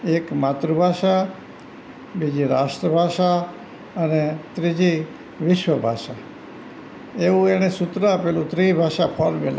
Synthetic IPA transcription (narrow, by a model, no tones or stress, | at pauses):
ekmat̪ɾəbʱaʃa | bid͡ʒiɾasʈ̪ɾəbʱaʃa | ənet̪ɾid͡ʒi | ʋɪʃwəbʱaʃa | eũeɽ̃esʊt̪ɾəpelũt̪ɾibʱaʃapʰəɾmel